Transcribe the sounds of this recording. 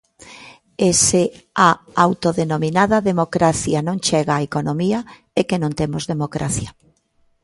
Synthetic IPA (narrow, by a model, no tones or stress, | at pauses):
ese | aawt̪oðenomĩnaðɐaðemokɾaθjanõŋt͡ʃɛɣaːekonomia | ekenõnt̪emozðemokɾa̰θjɐ